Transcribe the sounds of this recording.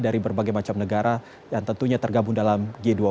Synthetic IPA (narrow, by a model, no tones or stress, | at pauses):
daɾibərbaɡajmat͡ʃamnəɡaɾa | jaŋt̪ənt̪uɲat̪ərɡabuŋdalamɡedua